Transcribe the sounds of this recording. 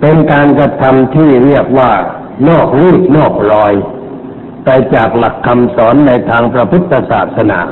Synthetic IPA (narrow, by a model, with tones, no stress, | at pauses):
pe˧nkaː˧nkɾa˧t̪ʰa˧mt̪ʰiː˥˩ɾi˥˩ək̚waː˥˩ | nɔː˥˩k̚ɾuː˥˩p̪̚nɔː˥˩k̚ɾɔː˧j | pa˧jt͡ɕaː˨˩k̚la˨˩kʰːa˧msɔː˩˦˥nːa˧jt̪ʰaː˧ŋpɾa˧pʰɯ˦˥t̪ʰːa˧saː˨˩t̪̚sa˧na̰ː˩˦